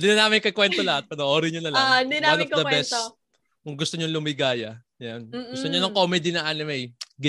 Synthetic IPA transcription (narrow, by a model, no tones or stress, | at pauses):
d̪ɪnɐnaːmɪkɐkwɛnt̪olɐhat̪̚pɐnoʔoːɾɪɲɐnɐlad̪inaɐnɐkd̪ɐwɛbɛs | kʊŋɡʊst̪oɲonlʊmɪɡaːjɐ | janɡʊst̪oɲonɐŋkoːmɛd̪inɐʔaːnɪmɛjɡɪ